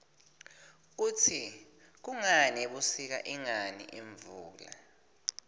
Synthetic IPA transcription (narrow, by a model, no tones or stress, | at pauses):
utʰi | k̬uŋanɛɓusik̬a̰ʔiŋanḭʔeɱvuːla̰